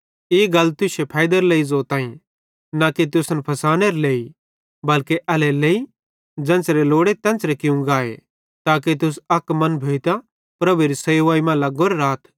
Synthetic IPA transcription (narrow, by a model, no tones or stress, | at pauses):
eːɡɐlt̪ʊsepʰaːjd̪əɾleizoːt̪ãːĩ | naket̪̬ʊsnpʰɐsaːneːɾleːi | bɐlkeʔɐlɛleːi | d͡zɐ̃ːnt͡sɾeloːɽet̪ɛ̃ːnt͡sɾekɪũɡaːḛ | t̪aːk̬et̪̬ʊs̬ɐkmɐ̃nbʱeːt̪a | pɾɐbueɾisɐjʋaːimãlɐɡoːɾɾaːt̪ʰ